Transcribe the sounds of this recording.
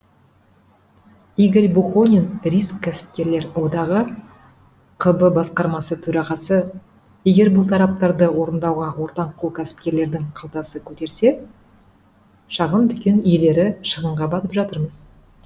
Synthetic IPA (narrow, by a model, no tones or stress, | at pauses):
iɡʲeɾbuχonʲenriskʰʲːæsɪ̥p̚kʲe̞ɾleɾwod̪ɑʁə | qʰəbəbɑsqɑɾmɑsət̪ʰɵɾɑʁɑsə | je̞ɡʲe̞ɾbʊlˠt̪ʰɑɾɑp̚t̪ɑɾd̪əwo̞ɾənd̪ɑwʁɑwʔo̞ɾt̪ɑɴqʰːʊlˠkʲʰæsɪ̥p̚kʲe̞ɾle̞ɾd̪ɪŋqʰɑlˠt̪ɑsəkʲʰɵt̪e̞ɾse̞ | ʃɑʁəmd̪ʏkʲe̞nʏjele̞ɾɪʃəʁəɴʁɑbɑt̪əpʒɑt̪əɾməz̥